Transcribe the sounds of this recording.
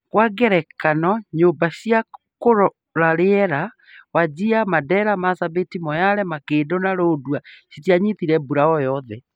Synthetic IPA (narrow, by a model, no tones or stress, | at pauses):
kwaɡɛɾɛkanɔɲobaɕiakoɾɔ | ɾaɾeɛɾa | wad͡ʑiamadɛɾamasabetimɔjaɾɛmakeːdonaɾoːdwasitiaɲiθiɾɛbuɾaɔjɔðɛ